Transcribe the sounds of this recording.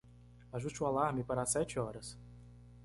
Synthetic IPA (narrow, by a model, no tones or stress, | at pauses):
aʒuʃt͡ʃualaɾmɪpaɾasɛt͡ʃɪɔɾɐs